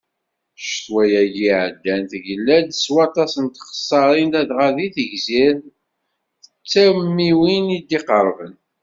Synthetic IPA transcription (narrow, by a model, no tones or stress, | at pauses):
ʃθwæjæʝiʕəd̪ːænθʝəlːæd̪swɑt̪ˤɑsənt̪χə̥sˤːɑɾˤind̪æðʁaðiθəʝzið | θə̥t͡sːæwmːiwinid̪iqəɾˤvən